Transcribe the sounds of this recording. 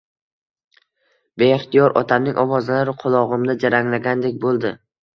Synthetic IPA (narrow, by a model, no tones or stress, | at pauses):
be̞ɪχt̪ʰijɒɾʔɒ̰t̪ʰamnɪŋʲʔɒwɒzlaɾɪqʰʊlˠɒʁɨmnɪd͡ʒaɾaŋlaɡʲand̪ekʲbolˠd̪ɪ